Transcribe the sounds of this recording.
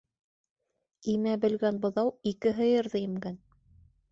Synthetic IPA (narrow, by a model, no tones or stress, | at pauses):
imæbɘ̆lɡænbŏðɑwikɘɦɤ̆jɤ̆ɾðɤjɘ̆mɡæn